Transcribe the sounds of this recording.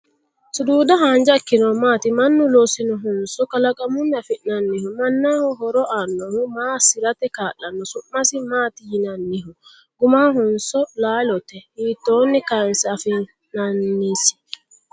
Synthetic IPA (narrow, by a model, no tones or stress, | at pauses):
suduːdaɦaɲd͡ʒakːinɔmatimanːulosinɔɦɔnsɔkalakamunːafinanːihumanːahɔɦɔɾɔʔanːɔhumasiɾatɛkalanːɔsuʔmasimatijinanːiɦu | ɡumahɔnsɔlalɔtɛmitɔnːikansafi | nanːisi̥